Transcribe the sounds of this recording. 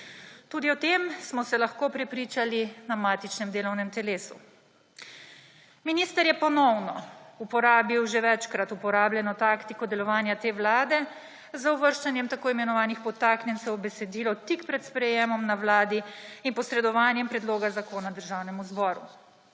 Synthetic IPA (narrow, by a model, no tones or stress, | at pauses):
t̪uːd̪iɔt̪emsmɔsɛlaxkoːpɾɛpɾiːt͡ʃalinamaːt̪it͡ʃnɛmd̪eːlɔwnɛmt̪ɛleːsṵ | minist̪əɾjɛpɔnɔwnɔupɔɾaːbiwʒeʋɛt͡ʃkɾat̪upɔɾaːbljɛnɔt̪aːkt̪ikɔd̪ɛlɔʋaːnjat̪eːʋlaːd̪ɛ | zauʋəɾʃt͡ʃanjɛmt̪akoːimɛnɔʋaːnixpɔt̪aːknʲjɛnsɛwbɛsɛd̪iːlɔt̪ikpɾɛt̪spɾɛjemɔmnaʋlaːd̪iinpɔsɾɛd̪ɔʋaːnjɛmpɾɛd̪loːɡazakoːnad̪əɾʒawnɛmuzbɔːɾu